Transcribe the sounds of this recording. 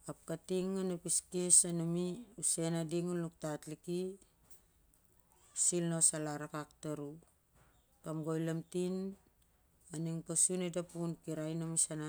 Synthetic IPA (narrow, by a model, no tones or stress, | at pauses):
ap̚katiŋːanapiskesanumiusenadiŋunluk̚tatliki | silnosalaɾakaktaɾu | kamɡo̞jlamtin | aniŋpasunedapunkiɾajnamisana